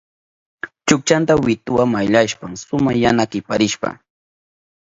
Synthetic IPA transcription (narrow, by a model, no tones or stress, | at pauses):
t͡ʃʊk̚t͡ʃant̪awɪt̪ʊwamajʎaʃpamsʊmajanakɪpaɾɪʃpa̰